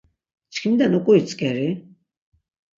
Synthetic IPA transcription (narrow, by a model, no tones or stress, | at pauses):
t͡ʃʰkʰimd̪anɔkʼuit͡sʼkʼɛɾi